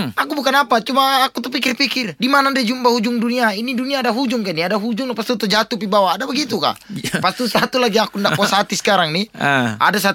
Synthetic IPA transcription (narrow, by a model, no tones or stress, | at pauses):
akubukanapat͡ʃumaːkut̪upikɪrpikɪrdimanadiad͡ʒumbahud͡ʒuŋduniainiduniaːdaɦud͡ʒʊŋkaniadaɦud͡ʒʊŋlpast̪ut̪əd͡ʒat̪upibawaːdabəɡit̪uka̰ʔpast̪usat̪ulaɡiakundaʔpɔsat̪isə̥kaɾaŋniʔa̰das̬a